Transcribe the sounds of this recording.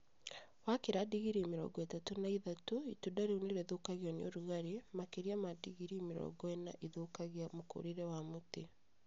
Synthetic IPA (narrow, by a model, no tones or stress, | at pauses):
wakeɾadiɣiɾimiɾɔ̰ːɡɔetatunaiðatoitudaɾeuniɾɛðokaɣjɔnioɾuɣaɾemakeɾiamadiɣiɾimiɾɔ̰ɡɔɛna̰ʔiðokaɣiamoko̰ɾiɾɛwamute